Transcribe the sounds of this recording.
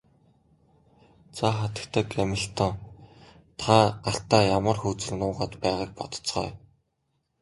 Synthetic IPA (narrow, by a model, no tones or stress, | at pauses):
t͡sʰaχat̪ə̆kt̪ʰə̆kæmʲɪ̆ɬt̪ʰɔŋ | t̪ʰaːɢaɬt̪aːjamə̆rxuːt͡sɘ̆ɮnʊːʁaːt̪pæːʁaːk̚pɔt̪ɞ̥̆t͡sχɔ̰ː